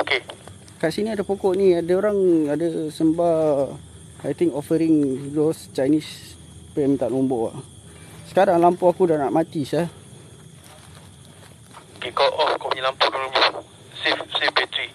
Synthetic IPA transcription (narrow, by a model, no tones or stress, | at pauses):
oke | kaʔsiniadəpokɔʔniadəoɾaŋadəsəmba | ajt̪iŋkofəɾiŋdɔst͡ʃajnis | pəjamit̪aʔnumbɔʔa̰ | sə̥kaɾaŋlampuakudanaʔmat̪isa | okekoʔɔkopuɲelampooɾumə | sifsifbet̪ɾi